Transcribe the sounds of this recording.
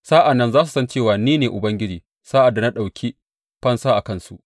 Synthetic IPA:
saː˦ʔa˨nːɐ˦nzaː˦s̬u˨sɐ˦nt͡ʃeː˦˨waː˨niː˦neː˨ʔʊ˨bɐ˦ŋɡʲɪ˦d͡ʒiː˨ | saː˦ʔa˨dːa˨na˦ɗa˨wkʲʰi˦ | ɸɐ˦nsaː˦ʔa˨kɐ˦nsu˦˨ʔ

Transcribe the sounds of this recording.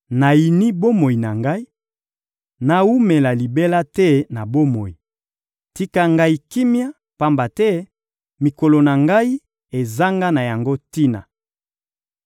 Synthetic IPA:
na˨ji˨ni˦bo˦mo˨i˨na˨ŋɡa˦i˦ | na˨u˦me˨la˨li˨be˦la˦tɛ˦na˨bo˦mo˨i˨ | ti˦ka˦ŋɡa˦i˨ki˦mja˦ | pa˦mba˨tɛ˦ | mi˨ko˨lo˨na˨ŋɡa˦i˦ | e˨za˦ŋɡa˦na˨ja˨ŋɡo˦ti˦na̰˨

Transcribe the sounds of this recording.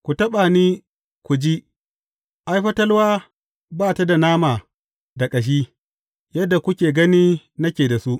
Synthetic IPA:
kʷu˨tɐ˦ɓa˨niː˦ | kʷu˨d͡ʒi˦ | ʔa˦jɸɐ˦tɐ˦lwaː˦ | baː˦˨ta˦da˨naː˦maː˨ | da˨kʼɐ˨ʃ̬iː˦ | jɐ˦dːa˨kʷʊ˦kʲeː˨ɡɐ˦niː˦ | nɐ˦kʲeː˨da˨su˦ʔ

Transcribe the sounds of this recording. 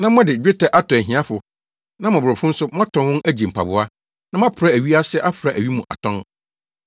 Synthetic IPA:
nã˦mɔ̃˦dɪ˨d͡ʑᶣɪ˦tʰa˨ʔa˦tʰɔ̃˨ɦĩ˨˦a˦fʊ˨ | nã˦mɔ̃˨bɾɔ˨fʊ̃˦n̩˦sʊ˦mã˦tʰɔ̃˨nwʊ̃˦næ˦d͡ʑi˨m̩˨pʰa̰˨bʊ˦a˦ | nã˦mã˦pʰʊ˨ɾa˦æ˨ɥi˦a˦sɪ˦ʔa˦fʊ˨ɾa˨ʔæ˨wɥi˦mũ˨ʔa̰˨tʰɔ̃˦n

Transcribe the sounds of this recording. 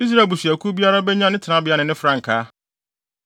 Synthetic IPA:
i˦s̬ɾa˦˨e˨bu˨ɕi˨æ˨kʰu˦bi˦a˦ɾa˦bɛ˦ɲã˦nɪ̃˦tʰnã˦bɪ˦a˦nɪ̃˨nɪ̃˦fɾã˦ŋ̩˨kʰa˦

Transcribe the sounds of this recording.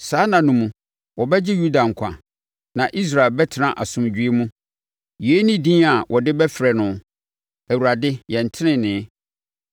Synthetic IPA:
saː˨˦nã˨nʊ̃˨mũ˨ | wɔ˨bɛ˦d͡ʑɪ˦ju˦da˨ŋ̩˨kʷʰã̰˨ | nã˨ʔi˦s̬ɾa˨e˨lbɛ˦tʰɪ˦nã˦ʔa˨sʊ̃˨md͡ʑᶣɥe˦mũ˦ | ji˨e˦nĩ˦dĩː˦a˨wʔɔ˨dɪ˦bɛ˦fɾɛ˨nʊ̃˨ | æ˨wu˨ɾa˨dɪ˦jɛ̃˨n˨tʰɪ˦nɪ̃˦nɪ̃ː˨˦

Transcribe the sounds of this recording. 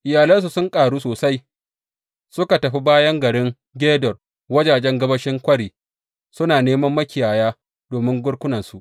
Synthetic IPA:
ʔɪ˨jaː˨lɐ˦ns̬u˨sʊ˦ŋkʼaː˨ɽuː˦soː˨sa˦j | sʊ˦ka˨tɐ˨ɸi˦baː˦jɐ˦ŋɡɐ˨ɽɪ˦ŋ | ɡʲeː˦dɔ˨r | wɐ˦d͡ʒaː˨d͡ʒɛ˦ŋɡɐ˦bɐ˦ʃɪ˦ŋkʷɐ˦ɽiː˨ | sʊ˦naː˨neː˦mɐ˦mːɐ˦kʲɪ˨jaː˨jaː˦ | doː˨mɪ˦ŋɡʷʊ˦ɽkʷʊ˦nɐ˨nsu˨ʔ

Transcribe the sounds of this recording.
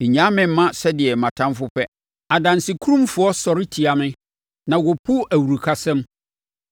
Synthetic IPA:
ɪ˨ɲã˦mɪ̃˨m̩˦mːã˦sɛ˦dɪ˨ɛ˨mã˨tʰã˦mfʊ˦pʰɛ˦ | a˨dã˨nsɪ˨kʰu˦ɾũ˦mfʊ˦ɔ˦sɔ˨ɾɪ˦tʰi˨a˨mɪ̃˦ | nã˨wʊ˨pʰʊ˦æ˨wu˨ɾu˨kʰa˨sɛ̃˦m

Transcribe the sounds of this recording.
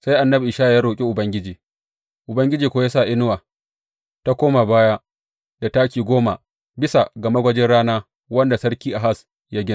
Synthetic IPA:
sa˦jʔa˨nːɐ˦bʔɪː˨ʃaː˦˨jaː˦ɾoː˨kʲʼi˦ʔʊ˨bɐ˦ŋɡʲɪ˦d͡ʒiː˨ | ʔʊ˨bɐ˦ŋɡʲɪ˦d͡ʒiː˨kʷo˦ja˦saː˦˨ʔɪ˦n˦waː˨ | ta˦kʷoː˦ma˨baː˦ja˦ | da˨taː˦kʲiː˨ɡʷoː˦ma˨ | bɪ˦sa˨ɡɐ˨ma˦ɡʷɐ˦d͡ʒɪ˦nɽaː˦naː˦ | wɐ˦nda˨sɐ˦ɽkʲiː˦ʔa˨ɦa˦˨s | ja˦ɡʲɪ˦n˨

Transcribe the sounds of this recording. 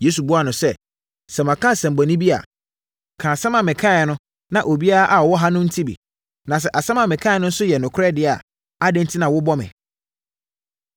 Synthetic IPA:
je˨˦su˨bʊ˦a˨nʊ̃˨sɛ˦ | sɛ˨mã˨kʰã˦sɛ̃˨m˨bɔ˨nĩ˦bi˦a̰˨ | kʰãː˨sã˦mã˨mɪ̃˨kʰã˦˨nʊ̃˦ | nã˨ʔo˨bi˦a˦la˦ʔa˨ɔ˨wɔ˦ɦã˦nʊ̃˦n̩˦tʰi˦bḭ˨ | nã˨s̬ɛ˦ʔa˨sã˦mã˨mɪ̃˨kʰã˦ɪ˦nʊ̃˦n̩˦sʊ˦jɛ˨nʊ̃˨kʰʊ˦ɾɛ˦˨dɪ˦˨a̰˨ | a˦dɪ̃˦n̩˦tʰi˦nã˨wʊ˦bɔ˦mɪ̰̃˨

